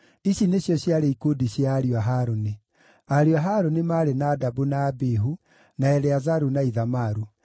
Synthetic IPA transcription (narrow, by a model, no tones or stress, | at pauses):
isineɕjɔɕjaɾeikodiɕjaːɾiwaɦaɾone | aɾiwaɦaɾonemaːɾenaːdabunaːbeɦu | naɛɾɛazaɾunaiðamaɾu